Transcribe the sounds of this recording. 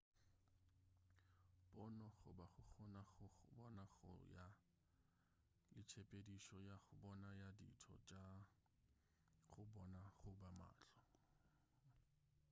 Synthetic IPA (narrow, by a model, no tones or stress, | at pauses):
b̥ɔnɔχʊbaχʊχɔnaχʊbɔnaχʊ̰ja | lɪt͡ʃʰepʼediʃɔjaχʊbɔnajadḭtʰɔ̰t͡ʃʼa | χʊbɔnaχʊbama̰ːt͡ɬɔ